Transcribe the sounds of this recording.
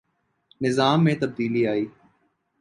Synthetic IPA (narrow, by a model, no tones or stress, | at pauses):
nɪzaːmːẽːt̪əb̚d̪iːliaːiː